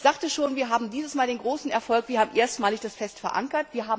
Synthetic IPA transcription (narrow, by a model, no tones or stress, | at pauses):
z̥aːktəʃoːnviːɐɦaːbm̩diːzəsmaːldeːnɡʁoːsn̩ɛɐfɔlkv̥iɐhaːbm̩ʔeːɐstmaːlɪçd̥asfɛstfɛɐʔa̰ŋkɐtv̥iːɐɦaːbm